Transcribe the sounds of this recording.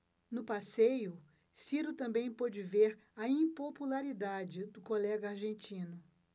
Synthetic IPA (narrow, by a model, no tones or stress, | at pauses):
nʊpasejʊ | siɾʊt̪ɐ̃mbẽj̃pod͡ʒɪveɾɐĩpopulaɾid̪ad͡ʒɪd̪ʊkolɛɡɐaɾʒẽnt͡ʃĩnʊ